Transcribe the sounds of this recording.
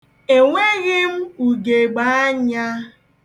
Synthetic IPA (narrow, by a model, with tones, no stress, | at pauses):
e˨ŋʷe˦ɣɪ˦m̩˦u˨ɡe˨ɡ͡ba˦a˦ɲa˦